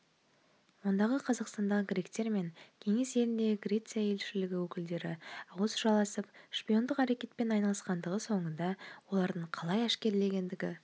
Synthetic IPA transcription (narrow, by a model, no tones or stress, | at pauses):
wo̞nd̪ɑʁəqʰɑzɑqst̪ɑnd̪ɑʁəɡɾʲekt̪e̞ɾme̞ŋkʲʰe̞ŋe̞se̞lɪnd̪e̞ɪɡrʲe̞t̪sijaje̞lʃɪlɪɡʲɪwɵkʲɪld̪e̞ɾɪɑwəsəʒɑlˠɑsəpʃpijo̞nd̪əqæɾe̞kʲe̞t̪̚pe̞nɑjnɑlˠəsqɑnd̪əʁəso̞ɴənd̪ɑwo̞lˠɑɾd̪əɴqʰɑlˠɑjæʃkʲe̞ɾle̞ɡʲe̞nd̪ɪɡʲɪ̰